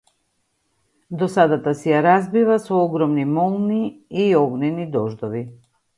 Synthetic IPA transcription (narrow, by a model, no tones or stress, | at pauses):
d̪ɔsad̪at̪asɛjaɾazbivasɔɔɡɾɔmnimɔlˠniiɔɡnɛnid̪ɔʒd̪ɔvi